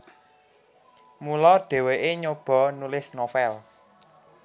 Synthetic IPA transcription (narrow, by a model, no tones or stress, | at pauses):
mulɔɖ̥e̤weʔeɲob̥ɔ̤nulɪsnofɛl